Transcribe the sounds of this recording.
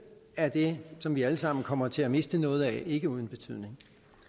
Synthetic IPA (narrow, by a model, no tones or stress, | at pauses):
æɐd̥e̝sɒ̽mʋiæləsɑ̈m̰n̩kʰɒ̽m̰ɐt͡sʰe̝læme̝sd̥ənɔ̽ːð̞̩ˠæʔe̝ɡ̥əuð̞ˠn̩b̥e̝t͡sʰyð̞̰ˠne̝ŋ